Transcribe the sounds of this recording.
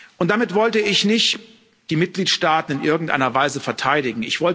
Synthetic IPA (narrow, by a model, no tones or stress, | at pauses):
ʔʊnt̚d̥amɪtv̥ɔltəɪçnɪçt | d̥iːmɪt̚ɡ̥liːtʃtaːtn̩ɪnʔɪɐɡŋ̩tʔa̰ɪnɐvaɪzəfɛɐtʰaɪɾɪɡŋ̩ɪçv̥ɔl